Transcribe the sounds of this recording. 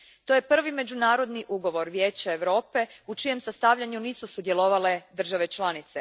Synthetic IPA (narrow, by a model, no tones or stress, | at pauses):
t̪o̞je̞pr̩ʋime̞d͡ʑunaːɾo̞d̪niʔuɡo̞ʋo̞ɾʋjeːt͡ɕaeʋɾo̞ːpe̞ut͡ʃije̞msast̪aʋʎaɲuniːsusud̪je̞lo̞ʋale̞d̪r̩ʒaʋe̞t͡ʃlˠanit̪se